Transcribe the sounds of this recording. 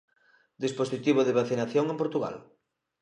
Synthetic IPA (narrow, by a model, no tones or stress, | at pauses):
d̪isposit̪iβoðeβ̞aθinaθjoŋẽmpoɾt̪uɣa̰l